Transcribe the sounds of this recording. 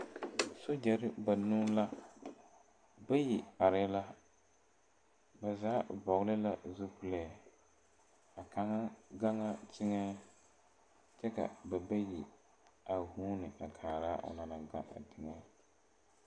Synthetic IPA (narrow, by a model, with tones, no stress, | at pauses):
so˦d͡ʒɛ˨ɾɪ˦ba˨nuː˦la˦ | ba˦ji˨a˨ɾɪ˦la˦ | ba˨zaː˨˦bɔ˨ɣlɪ˦la˦zo˦pu˨lɛː˨ | a˨ka˨ŋa˦ɡa˦ŋa˦t͡ʃɪ˦ŋa˦ | t͡ʃɛ˦ka̰˨ba˨ba˦ji˨ | a˨huː˦nɪ˨ʔa˨kʰaː˨ɾaː˦ʔa̰˨na˨na˨ɡa̰˦ʔa̰˨dɪ˨ŋa˦